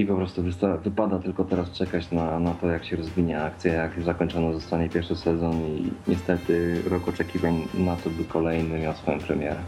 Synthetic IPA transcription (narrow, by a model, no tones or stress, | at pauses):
ipɔpɾɔst̪uvɘst̪avɘpad̪at̪ɘlkɔt̪ɛɾast͡ʂɛkat͡ɕnanat̪ɔjakɕɛɾɔzvʲiɲaakt̪sʲjɛjakzakɔɲt͡ʂɔnɔzɔst̪aɲɛpʲjɛɾʂɨsɛzɔnuḭɲɛst̪ɛt̪ɘɾɔkɔt͡ʂɛkʲivaɲnat̪ɔbɘkʰɔlɛjnɘmʲjawsfɔjɔmpɾɛmʲjɛɾɛ